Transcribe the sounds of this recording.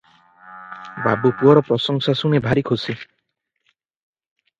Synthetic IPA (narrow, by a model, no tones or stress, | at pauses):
babupuɔɾɔpɾɔsɔŋsasunebʱaɾikʰosi